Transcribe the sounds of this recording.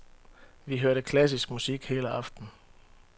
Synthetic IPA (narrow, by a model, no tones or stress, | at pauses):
ʋiɦøɐɾəkʰlæs̬isɡ̥musiɡ̥he̝ːləɑ̈fd̥n̩